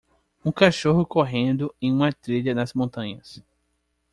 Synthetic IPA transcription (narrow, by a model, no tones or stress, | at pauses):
ũkaʃoɦʊkoɦẽnd̪ʊẽj̃ũmɐt̪ɾiʎɐnɐzmõnt̪ɐ̃ɲɐs